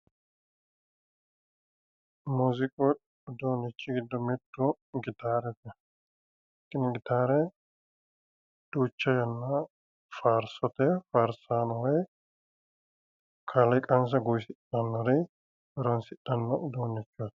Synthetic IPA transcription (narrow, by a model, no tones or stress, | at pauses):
muːzɪkʼɔ | ʊd̪oːnɪt͡ʃːɪɡɪd̪ːɔmɪt̪ːʊ | ɡɪt̪aːɾɛt̪ɛ | kʼːɪnɛɡɪt̪aːɾɛ | d̪̥uːt͡ʃːɐjɐnːɐ | faːɾsɔt̪ɛfaːɾsaːnɔwɐj | kʰalɐkʼɐns̬ɐɡʊjsɪtɐnːɐɾɛ | ɔɾɐnsɪᶑɐnːɐʔd̪oːnːɪt͡ʃːot̪